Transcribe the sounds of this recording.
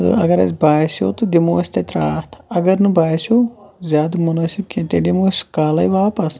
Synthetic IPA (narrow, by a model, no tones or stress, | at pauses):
t̪ɨ̰ɐ̰ɡɐɾɐ̰sʲbaːsjo̰ːt̪ɨd̪imoːsʲt̪et̪ɾaːt̪ʰɐɡɐɾnɨbaːsjoːzʲjaːd̪munɐsib̚kʲent̪eɖimoːsʲkaːlɐjʋaːpɐs